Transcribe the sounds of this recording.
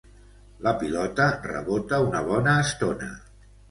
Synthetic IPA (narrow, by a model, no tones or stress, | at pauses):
ləpilɔt̪ərə̰βot̪əunəβ̞ɔnəːst̪onə̰